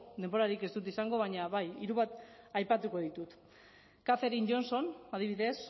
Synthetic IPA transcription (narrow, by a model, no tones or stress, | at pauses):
d̪emboɾaɾike̞zd̪ut̪isaŋɡo̞β̞aɲaβajiɾuβat̪ajpat̪uko̞ð̞it̪ut̪ | kafe̞ɾind͡ʒo̞nso̞nað̞iβiðe̞s